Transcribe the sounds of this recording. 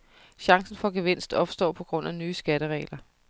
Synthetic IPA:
ɕɑ̈ŋsn̩fɒ̽ɡ̥eʋe̝n̰sd̥ɒ̽b̥sd̥ɒ̰ːpʰɒ̽ɡ̥ʁɔ̽n̰ænyːsɡ̥æɾəʁɛ̰ːɪlɐ

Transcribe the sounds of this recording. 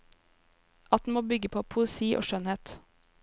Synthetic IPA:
ɑt̪̚d̪n̩moːbʏɡəpʰoːpʰʊɛsiːʔo̰ːʃœnheːt̪

